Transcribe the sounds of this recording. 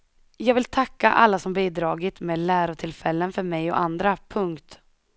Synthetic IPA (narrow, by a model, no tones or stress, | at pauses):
jɑːɡvɪlt̪ʰakːa̰ʔa̰lːasɔmbiːd̪ɾɑːɡɪt̪meːd̪læːɾʊt̪ʰɪlfɛlːənfœɾmɛjɔ̰ʔand̪ɾapʰɵŋkt̪